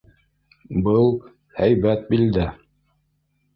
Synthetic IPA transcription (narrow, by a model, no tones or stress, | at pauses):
bɤlˠ | hæjbæt̪̚bild̪æ